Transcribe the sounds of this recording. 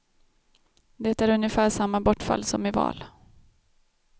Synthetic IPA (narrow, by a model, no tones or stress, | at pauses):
d̪ɛt̪æɾɵnjəfæːʂamːabɔʈːfa̰lːsɔmɪvɑ̰ːl